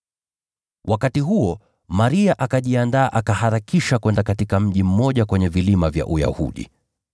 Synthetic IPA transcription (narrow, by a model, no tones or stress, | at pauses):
wʔakatiɦuɔ | maɾiaʔakaʄiandaːʔakahaɾakiʃakwɛndakatikam̩ʄim̩mɔʄakwɛɲɛvilimavja̰ʔuja̰hṵɗḭ